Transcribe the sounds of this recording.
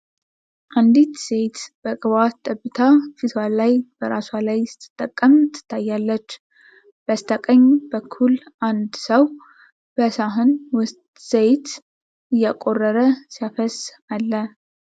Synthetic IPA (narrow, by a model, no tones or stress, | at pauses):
ʔand̪it̪sejt̪b̥əkʼɨβatt̪ʼːəbːɨt̪ʰafit̪ʰwalajb̥əɾaswalajsɨ̥t̪ʰːɨ̥t̪ʼːəkʼːəmt̪ʰːɨ̥t̪ʰːajːalːət͡ʃː | b̥əst̪ʰəkʼəɲːbəkʰːulʔand̪səw | b̥əsaɦɨnwʊst̪sejt̪ | ʔɨjakʼo̞rːəɾəsijafəs | alːə